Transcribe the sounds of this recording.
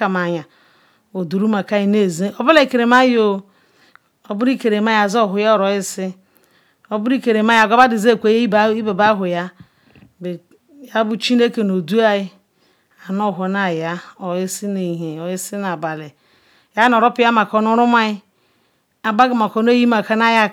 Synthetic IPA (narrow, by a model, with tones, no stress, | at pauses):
a˨ma˨ɲa˨ | o˨du˨ɾu˦ma˨ka˦ji˦ne˦˨ze˦o˦bu˦la˦i˨ke˨ɾe˨˦ma˦jo˨ | o˨bu˦ɾi˦ke˨ɾe˨ma˦ja˨zo˦˨ɦʊ˨ja˦ɔ˨ɾɔ˨jɪ˦sɪ˦ | o˨bu˦ɾi˦ke˨ɾe˨ma˦ja˨ɡʷa˦ba˦di˨ze˦˨kʷe˨˦ji˦be˨ba˦ɦʊ˨ja˦ | be˨ | ja˦bu˦t͡ʃi˦ne˦ke˨no˨du˦a˦i˦ | a˨no˦˨ɦo˨˦na˨ja˦ɔ˨i˦si˦ne˨ɦe˨ɔ˨i˦si˦n˨a˨ba˨le˨ | ja˦n˨ɔ˨ɾɔ˦pi˦a˦ma˨kɔ˨nu˦ɾu˦ma˦ɪ˦ | a˨ba˦ɡi˨ma˨ko˨n˦o˦ji˦ma˨ka˦na˦ja˦